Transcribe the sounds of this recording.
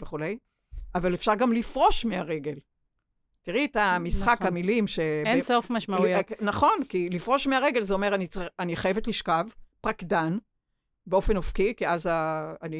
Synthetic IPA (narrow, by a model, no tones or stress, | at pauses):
veχule̞j | avalefʃaʁɡamlifʁo̞ʃmeaʁeɡe̞l | tiʁitamisχakhamilimʃeensofmaʃmaujnaχo̞nkilifʁo̞ʃmeaʁeɡe̞lzeo̞meʁanit͡saniχajevetliʃkavpʁakdan | beo̞fe̞nofkikiazaːni